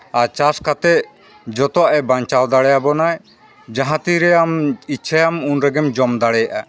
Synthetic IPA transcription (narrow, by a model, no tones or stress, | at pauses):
aɾt͡ʃaskat̪ɛʔ | d͡ʒɔt̪ɔwaʔɛbaɲt͡ʃald̪aɽɛjabɔnaj | d͡ʒãɦãt̪iɾɛamiʃʰajamunɾɛɡɛmd͡ʒɔmd̪aɽɛjaʔa